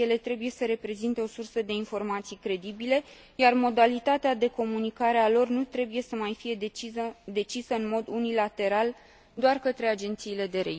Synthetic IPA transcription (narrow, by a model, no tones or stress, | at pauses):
je̞le̞t̪ɾe̞buje̞səɾe̞pɾe̞zint̪e̞o̞sursəd̪e̞info̞rmat̪sijkɾe̞d̪ibile | jarmo̞d̪alit̪at̪ead̪e̞ko̞munikaɾe̞alo̞rnut̪ɾe̞buje̞səmajfije̞d̪eiəd̪e̞t͡ʃisəɨnmo̞d̪unilat̪e̞ɾal | d̪oarkət̪ɾe̞ad͡ʒe̞nt̪siːle̞d̪e̞ɾḛi